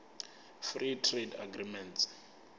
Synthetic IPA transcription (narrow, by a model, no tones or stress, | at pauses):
fritʰreda̰ɡrimɛnt